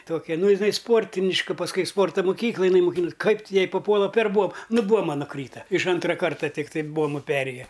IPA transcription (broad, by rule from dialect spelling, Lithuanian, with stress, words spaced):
ˈtoːkʲɛ ˈnʊ jɪˈnɐɪ ˈspoːrʲtʲɪnʲɪʃkɐ pɐsˈkʊɪ ɪ ˈspoːrtoː moːˈkʲiːklˠɐj ɪˈnɐɪ mʊˈkʲɪnʊs ˈkɐɪp tʲɪ ˈjɛɪ pɐˈpuɔlˠɐ pʲɛr ˈbuɔmɐ nʊ ˈbuɔmɐ nʊˈkrʲiːtɐ ɪʃ ˈɐntrɐ ˈkɐrtɐ ˈtʲɪktɐɪ ˈbuɔmʊ ˈpʲæːrʲeːjɛ